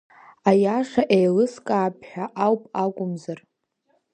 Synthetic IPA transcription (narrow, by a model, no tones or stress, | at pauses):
ajaʂaʔejlɨskʼaːpʰħᶣaʔawpʼakʷʼʊmzar